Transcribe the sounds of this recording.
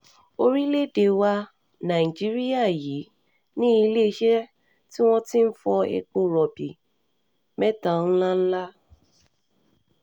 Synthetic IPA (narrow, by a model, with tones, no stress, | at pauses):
o˦ɾi˦le˦de˨wa˧ | na˨i˨d͡ʒi˦ɾi˦a˦˨ji˨˦ | nĩ˦i˦le˦ʃe˦ | ti˦wɔ̃˦tĩ˦m̩˦fɔ˧ḛ˦k͡po˦ɾɔ˨bi˨ | mɛ˦tã˨n̩˦la˦n̩˦la˦